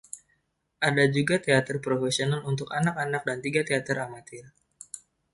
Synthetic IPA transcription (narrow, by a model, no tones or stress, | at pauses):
ʔadad͡ʒuɡat̪eat̪ərpɾofesionalunt̪ʊkanakanak̚dant̪iɡat̪eat̪əramat̪ɪr